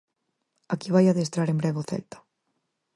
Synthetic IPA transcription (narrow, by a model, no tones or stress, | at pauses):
akiβajaðest̪ɾaɾembɾɛβʊθɛ̰lt̪ḁ